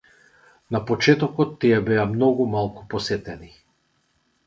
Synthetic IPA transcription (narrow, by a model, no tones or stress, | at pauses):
napɔt͡ʃɛt̪ɔkɔt̪ːiɛbɛamnɔɡumalˠku̥pɔsɛt̪ɛni